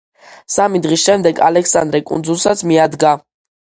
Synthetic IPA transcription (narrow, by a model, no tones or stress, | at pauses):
samid̪ʁisʃɛmd̪ɛɡa̰lɛksa̰nd̪ɾɛkʼṵnd̪zulˠsat̪sʰmiad̪ɡa